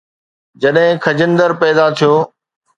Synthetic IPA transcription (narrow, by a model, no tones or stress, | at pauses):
d͡ʑɐɗɦɪ̃kʰɐd͡ʑənd̪əɾpɛːd̪at̪ʰijoː